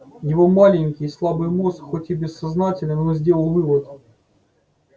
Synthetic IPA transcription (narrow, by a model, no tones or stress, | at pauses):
jɪvo̞malʲɪnʲkʲɪslˠabɨjmosxo̞tʲɪbʲɪsːɐznatʲɪlʲnɪnzʲdʲe̞lˠəlˠvɨvət̪